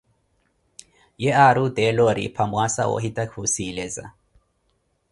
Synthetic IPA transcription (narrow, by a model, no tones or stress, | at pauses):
jɛaɾudɛlɔɾḭpʰamwasa̰o̰ɦitʼakʰusilɛza̰